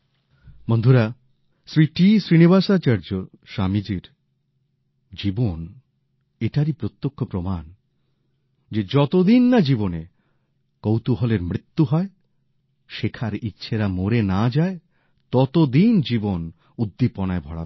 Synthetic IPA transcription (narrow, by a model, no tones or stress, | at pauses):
mond̪ʱuɾa | sɾiʈisɾiniβaʃat͡ɕaɾd͡ʑo | ʃamid͡ʑiɾ | d͡ʑibon | eʈaɾipɾot̪ːokʰːopɾoman | d͡ʑed͡ʑɔt̪od̪inːad͡ʑibone | kowt̪uɦɔleɾmɾit̪ːuɦɔe | ʃekʰaɾitːɕʰeɾamoɾenad͡ʑae | t̪ɔt̪od̪ind͡ʑibon | ud̪ːipɔnaebʱɔɽa̰